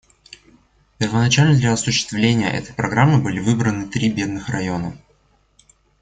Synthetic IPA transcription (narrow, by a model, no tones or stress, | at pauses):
pʲɪrvənɐt͡ɕalʲnəd̪lʲɐɐsʊɕːɪ̥st̪vlʲenʲɪjə̰ʔɛ̰t̪ə̥jpɾɐɡɾamːɨbɨlʲɪvɨbɾənɨt̪ɾʲibʲe̞d̪nɨxrɐjo̞nə